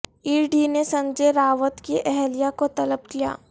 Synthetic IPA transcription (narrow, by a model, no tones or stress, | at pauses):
iːɖinesɐ̃ɲd͡ʒeɾaːʋət̪kiʔɛɦlijakot̪ɐləb̚kija̰ː